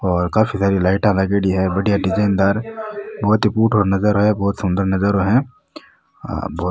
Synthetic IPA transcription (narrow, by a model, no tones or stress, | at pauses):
ɔːɾkaːpʰisaːɾilaːɪʈãlaɡeɽiɦɛbɐɽijaɖɪd͡ʒeːɪnd̪aːɾbɔːt̪ɪpuːʈɦoɾnɐzəɾɦoɦɛ̃bɔːt̪sʊ̃nd̪əɾnɐzəɾɦoɦɛ̃ | bɔː